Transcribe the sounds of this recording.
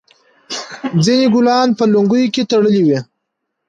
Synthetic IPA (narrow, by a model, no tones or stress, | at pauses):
d͡zineɡʊlɑnpəluŋɡujoket̪aɽəliwi